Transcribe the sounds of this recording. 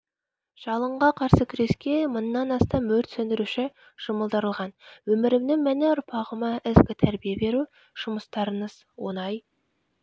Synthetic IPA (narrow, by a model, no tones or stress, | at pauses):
ʒ̥ɑlˠəɴʁɑqʰɑɾsəkʲʰɾe̞skʲe̞mʊnəːɑnɑst̪ɑmɵɾt̪sɵnd̪ɪɾuʃɪ | ʒ̥ʊməlˠd̪əɾəlˠʁɑnwɵmɪɾɪmnɪŋmæneʊɾpʰɑʁəmɑɪzɡʲɪt̪ʰæɾbijebe̞ɾu | ʒ̥ʊməst̪ɑɾənəz̥ | wo̞̰nɑj